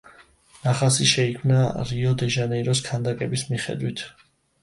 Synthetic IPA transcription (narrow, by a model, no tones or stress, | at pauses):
naχasiʃɛikʰmnaɾiɔd̪ɛʒanɛiɾɔskʰand̪akʼɛbismiχɛ̰d̪wit̪ʰ